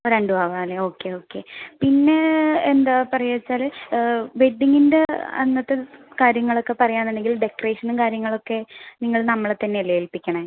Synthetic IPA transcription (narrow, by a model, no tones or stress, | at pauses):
oɾeɳɖɨbʱaːʋaːleo̞ːkːe̞o̞ːkːe̞pinːeend̪apɐrɐjɐɐt͡ɕːaːl | beɖiŋːindeɐ̰nːɐt̪ːekaːɾjɐŋːɐɭo̞kːe̞pɐrɐjaːnːeɳɖeŋɡilɖe̞kːɐreːʂɐnɨkaːɾjɐŋːɐɭo̞kːe̞niŋːɐɭnɐmːɐɭt̪ːɐnːelɐjelpikʲːɐɳɐ